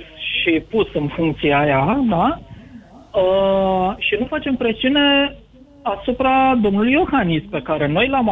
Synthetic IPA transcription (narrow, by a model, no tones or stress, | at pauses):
ʃipusɨnfuŋk̚t̪sijeajad̪a | ə | ʃinufat͡ʃe̞mpɾesiune̞ | asupɾad̪o̞mnulujo̞xanispe̞kaɾe̞no̞jlam